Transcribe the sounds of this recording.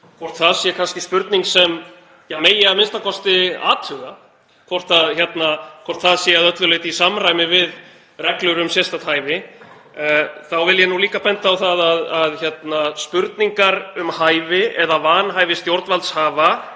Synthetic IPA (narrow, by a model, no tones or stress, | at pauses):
kʰvɔr̥t̪θaðsjɛkʰanscɪspʏɾt̪niŋksɛm | jameːjɪɣaðmɪnst̪akʰɔst̪ɪa̰ːt̪ʰhʏɣa | kʰvɔr̥t̪aðçjɛt̪nakʰɔr̥t̪θaðsɛaðœt̪lʏleːjt̪isamrajmɪvɪð | rɛklʏɾʏmsjɛst̪at̪ʰaːjvɪ | θawvɪljɛnuliːkapɛnt̪aːwθaðaðaðçjɛt̪naspʏɾt̪niŋkaɾʏmhaːjvɪɛðavaːnɦajvɪst̪jowɾt̪nvalt̪shaːva